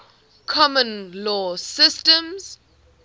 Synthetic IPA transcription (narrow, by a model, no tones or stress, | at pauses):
kʰɔmə̃nlɔsɪstə̃mz̥